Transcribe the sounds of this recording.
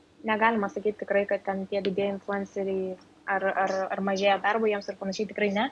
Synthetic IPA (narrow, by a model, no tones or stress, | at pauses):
nʲɛɡɑːlʲɪmɐsɐkʲiːt̪ʲt̪ʲɪkɾɐɪkɐt̪̚t̪ʲɛnt̪ʲiɛɡɪd̪ʲeːɪnflʲʊɛnsɪɾʲi | ɐrɐrɐrmɐʒʲeːjɛd̪ɐrbɐjiɛmsɪrpɐnɐʃʲɛɪt̪ʲɪkɾɐɪnʲɛ